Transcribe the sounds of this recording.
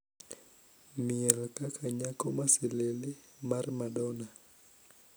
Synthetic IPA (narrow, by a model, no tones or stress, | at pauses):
mɪɛlkakʰaɲakɔmasilelimarmadɔna